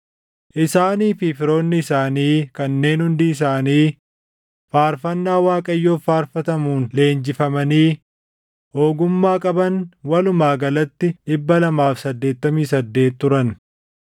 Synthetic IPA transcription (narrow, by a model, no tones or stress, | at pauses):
ʔɪsaːniːfɪfɪɾo̞ːnːɪɪsaːniːkɐnːe̞ːnhʊnd̪iːɪs̬aːniː | faːɾfɐnːaːwaːkʼɐjːo̞ːfaːɾfɐt̪ɐmuːnle̞ːnd͡ʒɪfɐmɐniː | ho̞ːɡʊmːaːkʼɐbɐnwɐlʊmaːɡɐlɐt̪ːɪɗɪbːɐlɐmaːfsɐd̪ːe̞ːt̪ːɐmiːsɐd̪ːe̞ːt̪ːʊɾɐn